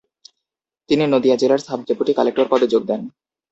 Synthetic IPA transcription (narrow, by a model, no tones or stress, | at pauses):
t̪ininod̪iad͡ʑelaɾsab̚ʱdepuʈikalekʈoɾpɔd̪ed͡ʑoɡ̚d̪ɛn